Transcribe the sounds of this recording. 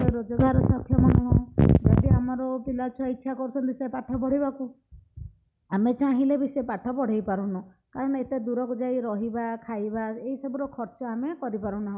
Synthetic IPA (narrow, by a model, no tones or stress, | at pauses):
eɾɔd͡ʒɔɡaɾɔsɔkʰːjɔmɔnɔɦɔ̃d͡ʒaɖiamɔɾɔpilat͡ʃʰaitːʃʰakɔɾut͡ʃʰɔnt̪isepaʈʰɔpɔɽ̤ibaku | amet͡ʃãɦilebisepaʈʰɔpɔɽ̤ejpaɾunɔ | kaɾɔɽ̃ɔet̪ed̪uɾɔkɔd͡ʒajɾɔɦibakʰajbaeɦisɔbɔɾɔkʰɔɾt͡ʃɔamekɔɾipaɾũnaɦɔ̃